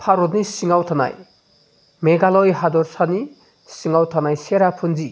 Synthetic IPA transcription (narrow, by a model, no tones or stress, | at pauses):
pʰaɾɔdnisiŋawt̪ʰana̰j | meɡalɔjɦad̪ɔɾsani | siŋawt̪ʰanajseɾapʰund͡ʒi